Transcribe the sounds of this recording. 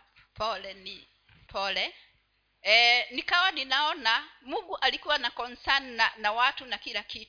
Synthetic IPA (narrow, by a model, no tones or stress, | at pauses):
pʰɔlɛni | pʰɔlɛ | nikawaninaɔnamuɡuʔalikuwanakɔnsananawatunakilakit